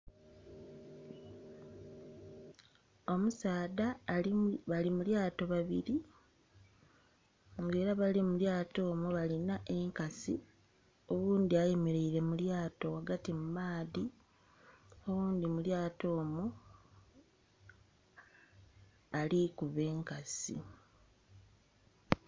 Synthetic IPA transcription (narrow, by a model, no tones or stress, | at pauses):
o̞musaːda | βalimuljaːto̞βaβiɾi | ŋɡe̞ːɾaβalimuljaːto̞ːmuβalinaʔe̞ŋkasi | o̞βuːnd̪iajemeɾeiɾe̞muljaːto̞waɡatimumaːði | oβuːnd̪imuljaːto̞ːmu | alikuβe̞ːŋkasḭ